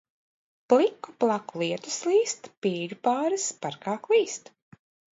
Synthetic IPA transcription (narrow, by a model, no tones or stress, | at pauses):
plˠikːuplˠakulˠiɛt̪u̥slˠiːst̪piːɡpaːɾɨspaɾkaːklˠiːst̪